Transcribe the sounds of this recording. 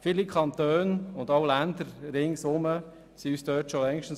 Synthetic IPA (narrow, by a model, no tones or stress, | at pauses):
fiːlikʰɑnt̪øːnʊndɑwlænd̪əɾɾɪŋsʊmə | siyːsdøːtʃolɛŋʃtn̩